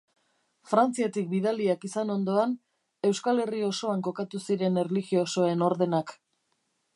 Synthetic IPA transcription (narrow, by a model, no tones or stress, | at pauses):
fɾant͡siet̪ik̚biðaliakisano̞nd̪o̞an | e̞wskale̞rio̞so̞aŋko̞kat̪usiɾe̞nerliɣioso̞e̞no̞ɾðe̞nak